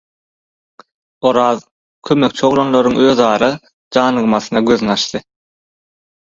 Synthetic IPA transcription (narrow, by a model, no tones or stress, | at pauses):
oɾɑːð | kʰømek̚t͡ʃʰo̞ɣlˠonlˠoɾuŋøːðɑːɾɑ | d͡ʒɑːnɯɣmɑθɯnɑɡøðnɑʃt̪ɯ